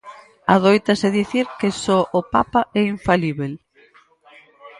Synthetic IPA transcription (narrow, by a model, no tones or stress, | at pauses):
aðojt̪ɐsɪðiθiɾkesɔʔopapaɛiɱfaliβel